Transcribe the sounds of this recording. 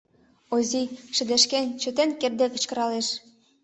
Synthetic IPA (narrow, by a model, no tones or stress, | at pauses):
oziʃɘ̆d̪ĕʃkenʲt͡ɕø̆t̪enʲkerd̪ekɤ̆t͡ɕkɤ̆ɾɑleʃ